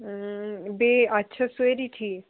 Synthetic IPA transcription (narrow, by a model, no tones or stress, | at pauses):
beɐtːʃʰaseɾiʈʰiːk